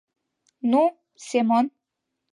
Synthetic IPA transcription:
nu | semon

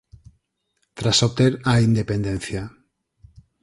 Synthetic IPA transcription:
t̪ɾasop̚t̪eɾaind̪epend̪ẽnθja

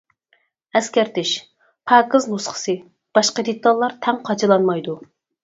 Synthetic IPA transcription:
ɛskʲɛɾt̪ʰɪʃ | pʰɑːkɨznusqə̥sɨ | b̥ɑʃqəd̪et̪ʰːɑlˠːɑɾt̪ʰɛŋqʰɑt͡ʃʰɨlˠɑnmɑjd̪u

